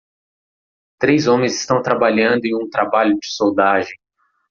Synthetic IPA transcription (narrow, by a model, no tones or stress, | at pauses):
t̪ɾejzõmẽj̃zɪst̪ɐ̃w̃t̪ɾabaʎɐ̃nd̪ʊẽj̃ũt̪ɾabaʎʊd͡ʒɪ̥sowd̪aʒẽj̃